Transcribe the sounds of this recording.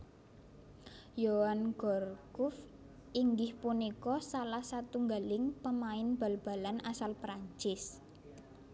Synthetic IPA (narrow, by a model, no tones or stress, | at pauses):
jowanɡ̥ɔrkʊf | ʔiŋɡɪhpunikɔsalahsat̪uŋɡalɪŋpəmaɪnb̥a̤lb̥a̤lanʔasalpɾaɲt͡ʃɪs